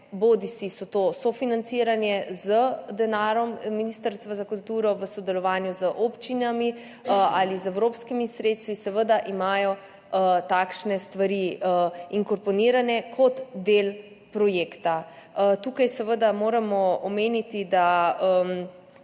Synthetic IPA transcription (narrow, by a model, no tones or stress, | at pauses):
bod̪isisɔt̪osɔfinant̪siːɾanjɛzəd̪ɛnaːɾɔmminist̪əɾst̪ʋazakult̪uːɾɔʋəsɔd̪ɛlɔʋaːnjuzəʔopt͡ʃinami | alizɛwɾoːpskimisɾeːt̪st̪ʋisɛʋəd̪aʔimaːjɔ | t̪aːkʃnɛst̪ʋaɾiəiŋkɔɾpɔniːɾanɛkʰɔt̪d̪eːl | pɾɔjeːkt̪at̪uːkajsɛʋəd̪amoːɾamɔɔmeːnit̪id̪aəm